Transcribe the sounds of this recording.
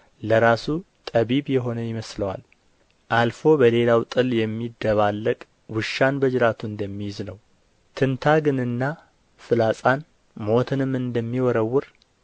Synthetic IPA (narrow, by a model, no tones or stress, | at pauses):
ləɾasut̪ʼəβiβjɛɦo̞nəjɪməsləwa̰l | ʔalfo̞bəle̞lawt̪ʼɨljɛmːid̪ːəβalːəkʼ | wɨʃːanbəd͡ʒɾat̪ʰuɨnd̪əmːijznəw | t̪ʰɨnt̪ʰaɡɨnɨnːa | fɨlasʼan | mo̞t̪ʰɨnɨmɨnd̪əmːiwɔɾəwːʊɾ